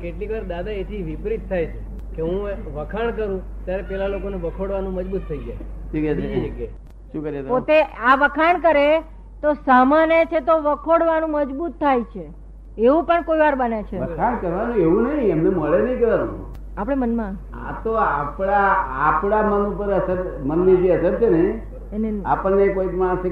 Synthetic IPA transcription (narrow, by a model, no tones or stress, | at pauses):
keʈliʋaɾd̪ad̪aet̪ʰiʋipɾit̪ʰːajt͡ʃʰe | keɦũʋəkʰaɳkəɾũ | t̪jaɾepelalokoneʋəkʰoɽʋanũməd͡ʒbut̪ʰːəiɡjajʈʰikɛt͡ʃʰeik | ʃũkəɾiet̪pot̪eaʋəkʰaɳkəɾe | t̪osamanet͡ʃʰet̪oʋəkʰoɽʋanũməd͡ʒbut̪ʰːajt͡ʃʰe | eʋũpəɳkoiʋaɾbənet͡ʃʰeʋəkʰaɳkəɾʋanũeʋũnəɦĩəmneməɭenə̃ĩkəɾʋanṵ̃ | apɽ̃emənmã | a̰t̪oa̰pɽaa̰pɽ̃amənũpəɾəsəɾmənːed͡ʒeəsəɾt͡ʃʰene | nea̰pəɳnepoitmãʃe